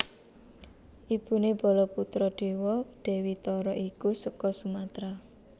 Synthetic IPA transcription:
ʔib̥uneb̥ɔ̤lɔput̪ɾɔɖ̥e̤wɔd̥e̤wit̪ɔɾɔʔikusəkɔsumat̪ɾa

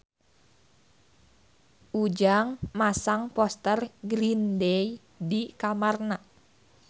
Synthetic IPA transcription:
ʔud͡ʒaŋmasaŋpɔst̪ərɡɾindɛj | dikamarna

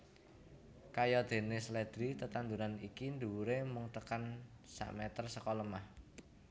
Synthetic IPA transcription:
kajɔd̪̥e̤nɪsled̪̥ɾit̪ət̪and̪uɾanikind̪uwuɾemuŋt̪əkan | sa̰ʔmɛt̪ərsəkɔlɔmah

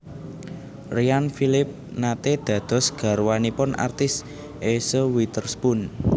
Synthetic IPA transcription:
rianfilɪp̚nat̪ed̪̥ä̤d̪̥ɔ̤sɡ̥ä̤ɾwanipʊnʔa̰rt̪ɪs | ʔesowit̪ərspʊn

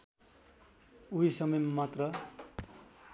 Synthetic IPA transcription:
uisʌmʌmmat̪rʌ

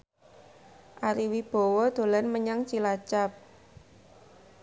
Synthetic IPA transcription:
ʔaɾiwib̥ɔ̤wɔd̪̥o̤lanməɲaŋt͡ʃilat͡ʃap̚

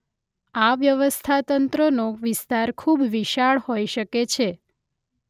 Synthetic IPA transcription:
aʋjəʋəst̪ʰat̪ənt̪ɾənoʋɪst̪aɾkʰubʋiʃaɭhojʃəket͡ʃʰe

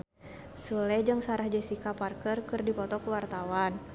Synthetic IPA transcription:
sulɛd͡ʒɨŋsaɾahd͡ʒɛsikaparkərkɨrdipɔt̪ɔkuwart̪awan

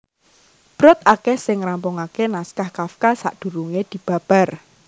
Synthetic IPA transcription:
b̥ɾʊt̪̚akehsɪŋɾampʊŋakenaskahkafkasa̰ʔd̪̥ṳɾuŋed̪̥i̤b̥ä̤b̥a̤r

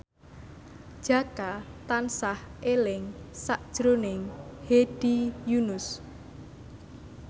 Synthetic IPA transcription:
d̥ʒ̥a̤kat̪ansahʔelɪŋsaʔd̥ʒ̥ɾonɪŋheɖ̥ijunʊs

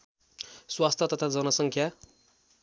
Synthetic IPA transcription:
swast̪ʰʌt̪ʌt̪ʰad͡zʌnʌsʌŋkʰja

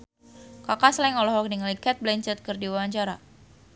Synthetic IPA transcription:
kakaslaiŋɔlɔɦɔk̚niŋalikɛt̪̚blɛɲt͡ʃɛt̪̚kɨrdiwawaɲt͡ʃaɾa̰

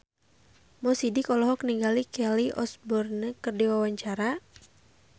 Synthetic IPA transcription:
mɔsidikɔlɔɦɔkniŋɡalikɛliʔɔ̰sbɔrnəkərdiwawaɲt͡ʃaɾa

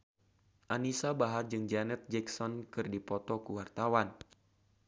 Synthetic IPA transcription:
ʔanisabaɦard͡ʒɨŋd͡ʒanɛt̪̚d͡ʒɛksɔnkɨrdipɔt̪ɔkuwart̪awan

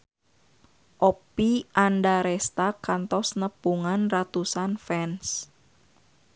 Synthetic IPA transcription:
ʔopiʔandaɾɛst̪akant̪ɔsnəpuŋanrat̪usanfɛns

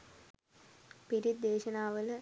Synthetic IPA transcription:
piɾid̪ːeːʃɐnaːʋələ

